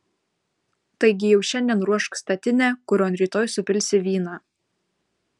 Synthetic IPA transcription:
t̪ɐɪɡʲɪjɛʊʃʲɛnʲd̪ʲiɛnɾuɔʃkst̪ɐt̪ʲɪnʲæːkʊɾʲoːnɾʲiːt̪oːjsʊpʲɪlʲsʲɪʋʲiːnɑː

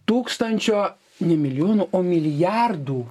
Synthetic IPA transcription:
t̪uːkst̪ɐnʲt͡ʃʲoː | nʲɛmʲɪlʲɪjoːnuʔoːmʲɪlʲjɑrd̪uː

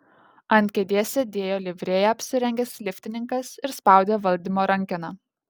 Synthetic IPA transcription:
ɐnʲt̪ʲkʲed̪ʲeɛsʲed̪ʲeːjoːlʲɪʋʲɾʲeːjɛɐpʲsʲɪɾʲɛŋʲɡʲɛsʲlʲɪfʲt̪ʲɪnʲɪŋkɐsɪɾspɑˑʊd̪ʲeːʋɐlʲˑd̪ʲiːmoːɾɐŋʲkʲɪnɑː

